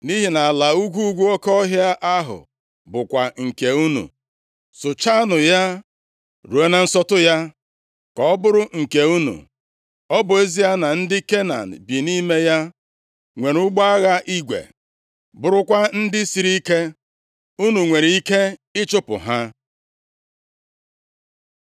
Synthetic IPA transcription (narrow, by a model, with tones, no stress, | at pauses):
ni˦ɦi˨na˨a˨la˨u˦ɡʷu˦ɡʷu˦o˦kɔ˦ɦja˦ʔa˦ɦʊ̰˨ | bʊ˨kʷa˨ŋ̩˨ke˨u˦nṵ˨ | sʊ˨t͡ʃa˦nʊ˨ja˦ | ɾu˨e˨na˨n̩˦sɔ˦tʊ˦ja˦ | kɔ˨ɔ˦bʊ˦ɾʊ˦ŋ̩˨ke˨u˦nṵ˨ | ɔ˦bʊ˨e˦zi˦ja˦na˨n̩˦dɪ˦ke˦na̰˨n̩˨bi˨ni˦me˦ja˦ | ŋʷe˨ɾʊ˦ɡ͡ba˦a˦ɣa˦ʔi˦ɡʷḛ˨ | bʊ˨ɾʊ˦kʷa˦n̩˦dɪ˦si˨ɾi˦ke˦ | u˦nu˨ŋʷe˨ɾi˨i˦ke˦ɪ˦t͡ʃʊ˦pʊ̰˨ɦa˦